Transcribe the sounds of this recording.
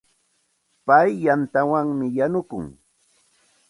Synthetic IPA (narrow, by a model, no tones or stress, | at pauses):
pajːant̪awaŋmɪjanʊkʊ̰ŋ